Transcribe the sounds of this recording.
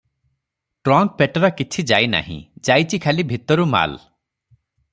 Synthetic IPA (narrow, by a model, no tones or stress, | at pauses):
ʈɾɔŋk̚peʈɔɾɔkit͡ʃʰid͡ʒajna̰ɦḭ̃d͡ʒajt͡ʃʰikʰalibʱit̪ɔɾuma̰l